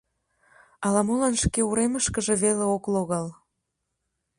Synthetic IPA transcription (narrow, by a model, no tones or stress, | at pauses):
ɑlɑmolɑnʃkeuɾeməʃkəʒeβeleokloɣɑl